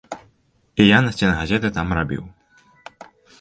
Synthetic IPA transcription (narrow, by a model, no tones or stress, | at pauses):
ijanɐsʲt͡sʲɛnɐɣazʲɛt̪ɨt̪amrabʲḭw